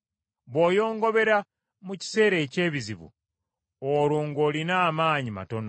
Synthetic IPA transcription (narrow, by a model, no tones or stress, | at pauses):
βwoːjo̞ːŋɡo̞βe̞ɾa | muci̥se̞ːɾe̞ːce̞ːβiziβṵ | oɾuːŋɡo̞ːlinaːmaːɲima̰to̞no